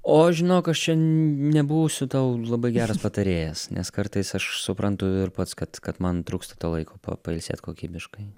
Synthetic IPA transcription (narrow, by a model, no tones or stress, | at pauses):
oːʒʲɪnoːkɐʃt͡ʃʲɛnʲɛbuːsʲʊt̪ɐʊlˠɐbɐɪɡʲæːɾɐspɐt̪ɐɾʲeːjɛsnʲʔɛskɐrt̪ɐɪsɐʃsʊpɾɐnt̪ʊɪrpɐt̪skɐt̪kɐt̪mɐnt̪ɾuːkst̪ɐ̥t̪oːlˠɐɪkʰoːpɐ̰pɐɪlʲsʲḛːt̪koːkʲiːbʲɪʃkɐɪ